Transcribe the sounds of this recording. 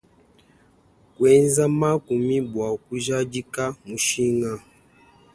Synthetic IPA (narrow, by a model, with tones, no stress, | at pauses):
kwɛ˦nza˦ma˦ku˨mi˦bwa˨ku˦ʒa˦d͡ʒi˦ka˦mu˨ʃi˦ŋa˦